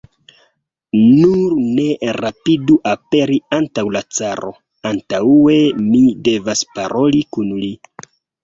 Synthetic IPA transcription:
nuɾne̞ɾapiduʔape̞ɾiantawlat͡saɾo̞̰ | antaue̞mide̞vaspaɾʔo̞likunli

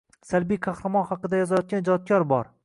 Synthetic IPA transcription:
salbijkʰɑχɾamɒnχɑqɨd̪ajɒzajɒt̪̚kʲand͡ʒɒt̪̚kʰʲɒɾbɒɾ

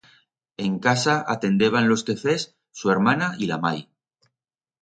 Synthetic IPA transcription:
e̞ŋkasaʔa̰t̪e̞nd̪e̞β̞anlo̞ske̞fe̞sː | ue̞ɾmanailamaj

